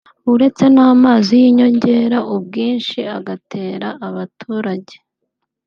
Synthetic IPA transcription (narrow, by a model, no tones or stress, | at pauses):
uɾe̞t͡se̞naːmaːzijiɲo̞ɲɟe̞ːɾaʔub̚ɡiːnʃia̰ɡatʰe̞ːɾaʔaβatʰuːɾaɟe̞̥